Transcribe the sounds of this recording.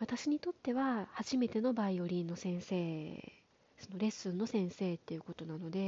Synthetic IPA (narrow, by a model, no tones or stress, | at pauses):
βat̪aɕiɲ̟it̪o̞t̪ːe̞βahaʑime̞t̪e̞no̞baio̞ɾʲĩnːo̞sẽ̞ɰ̃se̞ː | so̞no̞ɾe̞sɨ̃nːo̞sẽ̞ɰ̃se̞ːt̪ːe̞jɯ̟ko̞t̪o̞nano̞d̪e̞